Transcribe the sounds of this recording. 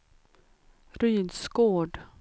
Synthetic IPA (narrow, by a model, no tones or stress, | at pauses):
ɾyːd̪skoːɖ